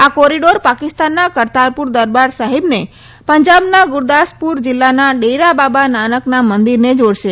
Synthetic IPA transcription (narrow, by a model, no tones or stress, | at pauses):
akɔɾiɖoɾpakɪst̪anːakəɾt̪aɾpuɾd̪əɾbaɾsaɦibne | pəɲd͡ʒabnaɡʊɾd̪aspuɾd͡ʒɪlːanaɖejɾababananəknamənd̪iɾned͡ʒoɽʃe